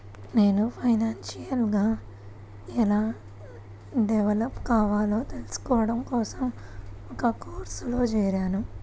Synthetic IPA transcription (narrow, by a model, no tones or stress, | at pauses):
ne̞ːnupʰɐjnaːnʃijɐlɡaː | ɛlaː | ɖɛʋɐlɐpkaːʋaːlo̞ːt̪elusu̥kɔːʋɐɽɐmkɔːsɐmɔkɐkoːɾsuloːd͡ʒɛːɾaːnu